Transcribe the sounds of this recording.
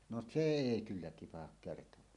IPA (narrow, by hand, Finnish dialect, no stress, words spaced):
no se eˑi kylːæ tipɑhɑk kertowɑː